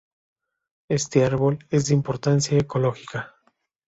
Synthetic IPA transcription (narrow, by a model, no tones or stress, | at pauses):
e̞st̪eaɾβo̞le̞zd̪eimpo̞ɾt̪ansjaeko̞lo̞xika